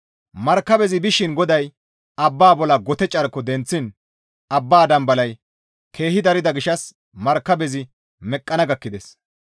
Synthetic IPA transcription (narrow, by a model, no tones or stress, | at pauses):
mɐɾkːɐbɛzɪbɪʃɪnɡɔd̪ɐj | ɐbːaːbɔlɐɡɔt̪ɛt͡ʃʼɐɾkːɔd̪ɛnt͡sːɪn | ɐbːaːd̪ɐmbɐlɐj | kʰe̞ːhɪd̪ɐɾɪd̪ɐɡɪʃɐs | mɐɾkːɐbɛzɪ | mɛkʼːɐnɐɡɐkːɪd̪es